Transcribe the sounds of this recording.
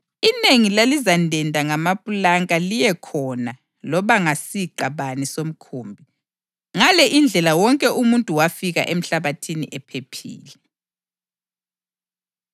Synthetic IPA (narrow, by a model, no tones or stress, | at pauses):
ineŋilalizandʱɛndʱaŋamapʼulaŋʼalijɛkʰɔna | lɔβaŋasiɡ͡ǃ̥ʱaβanisom̩kʰuːmbʱi | ŋalɛʔind͡ɮʱɛlawɔŋkʼɛumuntʼuwafiɣa̰ʔem̩ɬaβatʰinḭʔɛpʰepʰḭːlɛ